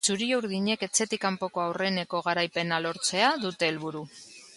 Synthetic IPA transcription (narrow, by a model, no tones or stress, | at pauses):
t͡suɾiouɾðiɲe̞ke̞t͡se̞t̪ikampo̞ko̞awre̞ne̞ko̞ɣ̞aɾajpe̞nalo̞ɾt͡se̞aðut̪e̞ːlβuɾu